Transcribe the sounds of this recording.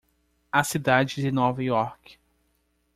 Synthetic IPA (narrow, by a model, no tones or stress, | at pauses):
asid̪ad͡ʒɪdɪnovajɔɾk